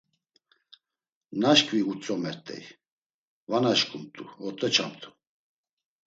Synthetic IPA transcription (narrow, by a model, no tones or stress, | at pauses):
naʃkʼviut͡sʼɔmɛɾt̪ʼɛ̰j | vanaʃkʼumt̪ʼuɔt̪ʼɛt͡ʃʰamt̪ʰʼu̥